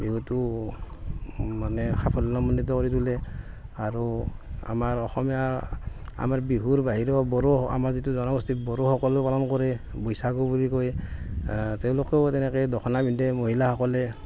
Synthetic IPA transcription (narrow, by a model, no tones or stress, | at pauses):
biɦutu | manɛxʰapʰɔlɔnɔmɔndit̬ɔkɔɹitulɛ | aɹua̰maɹɔxɔmija | a̰maɹbiɦuɹbaɦiɹɔbɔɾɔa̰maɹzit̬uzɔnɔɡɔstibɔɹoxɔkɔlopalɔnkɔɹɛ | bɔjsaɡubulikɔj | tewlokɛtɛnɛkɛdɔkʰɔnabindɛmoɦilahɔkɔlɛ